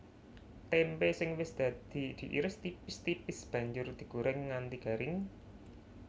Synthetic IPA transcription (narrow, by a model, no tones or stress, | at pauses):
t̪ɛmpesɪŋwɪsd̪̥ä̤d̪̥i̤d̪̥i̤ʔḭɾɪst̪ipɪst̪ipɪsb̥a̤ɲd͡ʒʊrd̪̥i̤ɡ̥uɾɛŋːant̪iɡ̥a̤ɾɪŋ